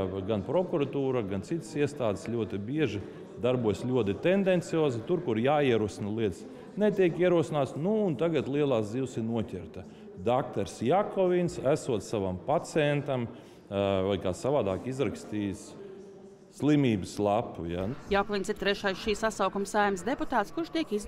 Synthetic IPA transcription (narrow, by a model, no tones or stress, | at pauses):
ɡanpɾɔkuɾat̪uːɾaɡant̪sit̪siɛst̪aːd̪slʲuɔt̪ibiɛʒi | d̪aɾbuɔjslʲuɔt̪it̪end̪ɛnt̪sijoːzit̪uɾkuɾjaːiɛɾuɔsinɐlˠiɛt̪s | net̪ʲiɛkiɛɾuɔsinaːt̪snuːnt̪aɡat̪lˠiɛlˠaːsd̪ziːwsiɾnuɔtʲɛɾt̪ɐ | d̪akt̪aɾsjakɔvinsæsuɔt̪ssaʋampat̪sɛnt̪am | vajkaːsavaːd̪aːkizɾakst̪iːjsː | lˠimiːbɨslˠapṵjajakɔvinsiɾt̪ɾɛʃajsʃiːsasawkumsajmsd̪eput̪aːt̪skuɾʃt̪iɛkiz